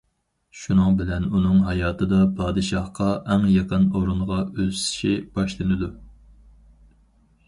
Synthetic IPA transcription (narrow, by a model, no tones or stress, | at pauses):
ʃunɨŋbɪlɛnunɨŋɦɑjɑːt̪ʰɨd̪ɑpʰɑːd̪ɨʃɑhqɑʔɛŋjɑqʰənoɾuɴʁɑøzsɪ̥ʃib̥ɑʃlˠɨnɨd̪u